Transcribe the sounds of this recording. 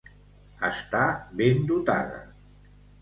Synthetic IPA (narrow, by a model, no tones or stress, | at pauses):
ə̰st̪aβend̪ut̪a̰ðə̰